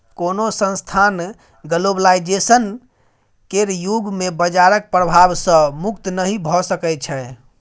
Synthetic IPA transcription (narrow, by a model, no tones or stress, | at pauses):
konosə̃nst̪ʰan | ɡəloblaid͡ʒesən | keɾjuɡmebəd͡ʒaɾək̚pɾəbʱabsə̃mukt̪nəɦibʱɔsəkɛt͡ʃʰɛ